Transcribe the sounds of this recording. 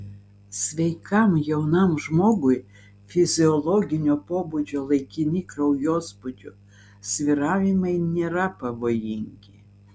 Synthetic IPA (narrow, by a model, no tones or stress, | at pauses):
sʲʋʲɛɪkɐmjɛʊnɐmʒmoːɡʊj | fʲɪzʲɪɔlˠɔɡʲɪnʲoːpoːbud͡ʒʲoːlˠɐɪkʲɪnʲiːkɾɐʊjoːspʊd͡ʒʲʊ | sʲʋʲɪɾɑːʋʲɪmɐɪnʲeːɾɐpɐʋoːjɪŋʲɡʲɪ